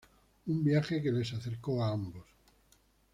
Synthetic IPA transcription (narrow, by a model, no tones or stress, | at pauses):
umbjaxekele̞saθeɾkoaambo̞s